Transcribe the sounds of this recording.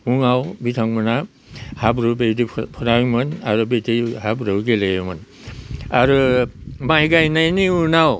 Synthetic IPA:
uŋawbitʰaŋmɯna | habɾɯbejdipʰɔdajmɯna̰ɾubetʰihabɾɯwɡelejmɯn | aɾɯmajɡajnajniunaw

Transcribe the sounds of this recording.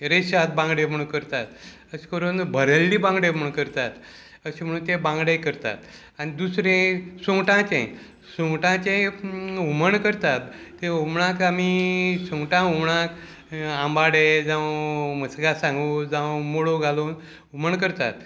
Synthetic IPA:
ɾeɕat̪̚bãŋɡɽem̤əɽukəɾt̪at̪ | əɕe̥kəɾuːnbʱəɾəlːiːbãŋɡɽem̤əɳ̃kəɾt̪at̪ | əɕem̤əɽuːnt̪ebãŋɡɽekəɾt̪a̰t̪ | anid̪usɾẽsõŋɡʈãt͡ɕẽj | sõŋɡʈãt͡ɕẽ | uməɳkəɾt̪at̪ːeumɳãkamisoŋɡʈãomɳãk | ãmbaɽed͡zãʋməsɡasãŋɡud͡zãʋmoɽoɡalon | uməɳkəɾt̪a̰t̪

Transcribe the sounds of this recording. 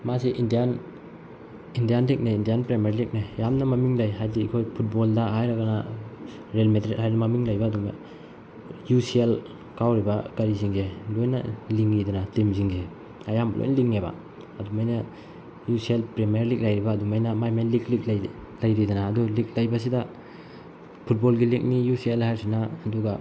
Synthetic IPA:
masiʔindijan | indijanlik̚neindijanpɾemeɾlik̚nejamnɐmɐmiŋlajɦajdiːkʰojpʰut̚boldɐɦajɾɐɡana | ɾelmetɾithajnɐmɐmiŋlɐjbaːduma̰ | jusiel | kawɾibakɐɾiziŋɡelojnɐ̰liŋidɐnatimziŋɡe | ɐjamblʔo̰jnɐliŋːeba̰ | ɐdumajnɐ | jusielpɾemaɾlik̚lajɾibadumajnɐmajmajlik̚lik̚laj | lɐjɾidɐnaːdulik̚lɐjbɐs̬ida | pʰut̚bolɡilik̚nijusielhajɾsinaɐduɡa

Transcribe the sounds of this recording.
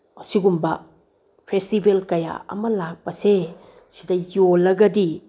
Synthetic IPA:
ɐsiɡumbɐ | pʰestibʱelkɐja̰ɐ̰mɐlak̚pɐse | si̥dɐjolːɐɡɐdi

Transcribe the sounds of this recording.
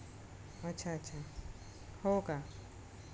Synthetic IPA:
ətːʃʰaɐtːʃʰa | hokaː

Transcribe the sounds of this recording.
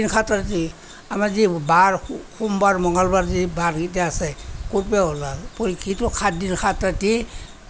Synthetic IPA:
inkʰatati | amazibaɹkʰumbaɹmɔŋɡɔlbaɹzibaɹɡitaasɛjkut̚pɛɔlapɔɹikitɔkʰatdinkʰatati

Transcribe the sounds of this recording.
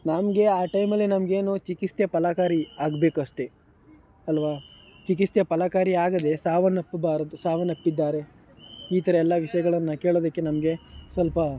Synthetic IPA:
nɐmɡe̞aːʈɐjmɐlːinɐmɡeːnut͡ʃikist̪jɐpɐlaːkaːɾiaːɡbe̞ːkuɐʂʈe̞ | ɐlʋaː | t͡ʃik̬ist̪jɐpɐlaːkaːɾiaːɡɐd̪e̞saːʋɐnːɐpːɐbaːɾɐd̪usaːʋɐnɐpːid̪ːaːɾe̞ | iːt̪ɐɾɐɛlːɐʋiʂɐjɐɡɐɭɐnːɐke̞ːɭo̞ːd̪ɐkːe̞nɐmɐɡe̞sʋɐlpɐ

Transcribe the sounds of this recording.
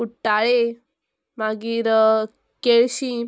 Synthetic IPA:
uʈːaɭe | maɡiːɾ | keɭɕĩ

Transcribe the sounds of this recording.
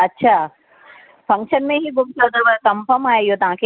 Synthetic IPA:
ɐtːɕʰaː | fʰɐ̃ŋkʃənmẽɦiɡʊb̚tʰod̪əɾbəkɐ̃mpɐmaːjaiɦot̪ɐʋ̤ãkʰe

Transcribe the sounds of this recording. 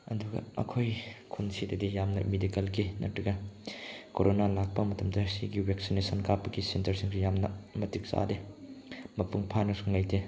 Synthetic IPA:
ɐ̰duɡɐ̰ɐ̰kʰojkʰunsidɐdijamnɐ̰medikelɡinʔɐ̰tɾɐɡɐ | koɾonalak̚pɐmɐtʰɐmdɐsiɡiweksinesɐnkʰapːɐɡisentɐɾsiŋsʰijamnɐ̰mɐtik̚sa̰de | mɐpuŋpʰanɐsuŋlajtʰe

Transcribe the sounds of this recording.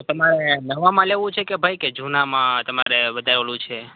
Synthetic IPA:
ot̪əmaɾenəʋamãleʋũt͡ʃʰekebʱajked͡ʒʱunamãt̪əma̰ɾeʋəd̪ʱaɾʋelũt͡ʃʰe

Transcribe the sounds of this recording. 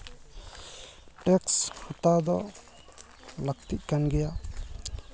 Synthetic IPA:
ʈɛkshʰut̪ad̪ɔ | lak̚t̪iʔ̚kanɡɛja

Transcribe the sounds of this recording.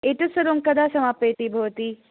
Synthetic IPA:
eʈɐsɐɾoŋkɐd̪ʱaːsɐmaːpeːt̪ibʱɐʋɐt̪iː

